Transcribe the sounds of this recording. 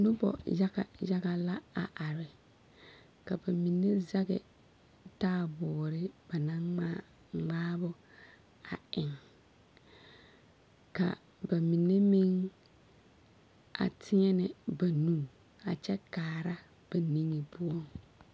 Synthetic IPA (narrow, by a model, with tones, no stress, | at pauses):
nʊ˦bɔ̰˨ja˦ɡa˨ja˦ɣa˨la˦a˨ʔa˨ɾɪ˨ | ka˨ba˨mi˨nːe˦za˦ɡɪ̰˨ | taː˦bɔː˨ɾɪ˦b̥a˨na˦a˦ | ŋ͡maː˦bʊ˦ | a˨ɪ˨ŋ | ka̰˨ | ba˨mi˨ne˦mi˦ŋ | a̰˨tʰɪ˦ɲɛ˦nɪ˨ba˨nu˦ | a˨t͡ʃɛ˦kaː˨ɾa˦ | b̥a˨ni˦ŋi˨pʊ˦ɔ˦˨ŋ